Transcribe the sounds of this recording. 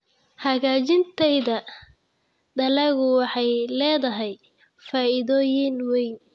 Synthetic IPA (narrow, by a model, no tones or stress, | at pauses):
hɐɣaːt͡ʃɪnt̪ʰɛjðɐ | d̪ɐlɛɣʊwɑħɑjlɛːðɐɦɛj | faːɪðɔːjɪnwɛjn